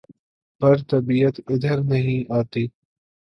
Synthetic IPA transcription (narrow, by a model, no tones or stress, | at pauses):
pɐɾt̪ɐbiːət̪ɪd̪ʱəɾnɐɦĩːʔaːt̪iː